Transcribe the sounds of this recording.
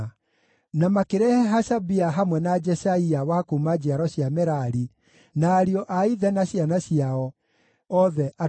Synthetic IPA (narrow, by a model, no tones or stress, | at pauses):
namakeɾɛhɛɦasabiaɦamwɛnad͡ʒɛsaiawakumad͡ʒiaɾɔɕjamɛɾaɾi | naːɾiɔʔaiðɛnaɕianaɕiaɔ | ɔðɛʔa